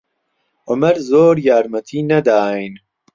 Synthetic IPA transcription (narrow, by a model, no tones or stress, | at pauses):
ʊmɐɾzoːɾjaːɾmɐt̪ʰiːnɐd̪aːjn